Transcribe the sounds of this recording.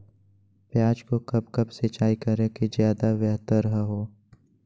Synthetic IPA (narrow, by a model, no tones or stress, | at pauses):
pjaːd͡ʒkokɐb̚kɐbset͡ʃaːikɐɾekezjaːd̪aʋjɛɦt̪əɾəɦəɦoː